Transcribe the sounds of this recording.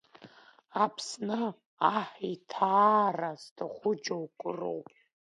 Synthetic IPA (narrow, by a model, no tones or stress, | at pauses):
apʰsnɨ | aħitʰaːraztʰaχʷʊd͡ʒowkʷʼɨro̰wpʼ